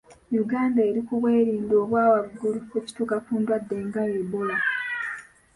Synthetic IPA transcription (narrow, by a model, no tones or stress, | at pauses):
juɡaːndaeɾikuβwe̞ːɾiːndo̞ːβwaːwaɡulukuci̥tukakuːndwadːe̞ŋɡajebola